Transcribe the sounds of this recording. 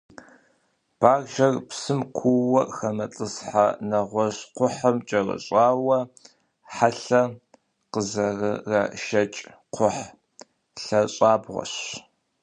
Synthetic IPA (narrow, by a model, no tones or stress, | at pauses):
b̥aːrʒɐrpsɨmkʷʰuwɐxɐmɐt͡ɬʼɨsħanɐʁʷɔɕqʷʊħɐmt͡ʃʼɐrɐ̰ɕʼaːwɐ | ħaɬɐ | qəzɐrɨrɐʃɐt͡ʃʼ | qʰʷʊħ | ɬɐɕʼaːbʁʷɔ̰ɕ